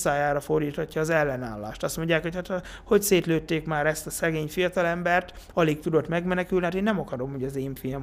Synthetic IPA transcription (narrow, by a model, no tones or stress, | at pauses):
saːjaːɾɒfo̞rd̪iːt̪hɒcːɒːzɛlːɛna̰ːlːa̰ːʃt̪ɒst̪mo̞ɲɟjaːkho̞chat̪ɒ | ho̞cseːt̪løːt̪ːeːkmaːɾɛst̪ɒsɛɡeːɲfijɒt̪ɒlɛmbɛrt̪ɒlik̚t̪ud̪o̞t̪mɛɡmɛnɛkylnihat̪eːnːɛmɒkɒɾo̞mho̞ɟɒzeːɱfijɒm